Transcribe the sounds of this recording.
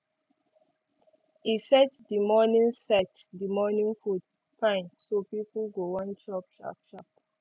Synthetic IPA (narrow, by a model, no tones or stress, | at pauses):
isɛtdimɔnĩnsɛtdimɔnĩnfut | pãɪ̃nsopipulɡowɔ̃ntʰɹɔp̚t͡ʃɹa̰p̚tɹap̚